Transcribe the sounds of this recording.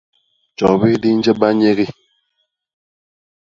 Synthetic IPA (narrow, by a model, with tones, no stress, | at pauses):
t͡ʃɔ˨bi˦di˦n̩˦d͡ʒɛ˦ba˦ɲe˦ɣi˦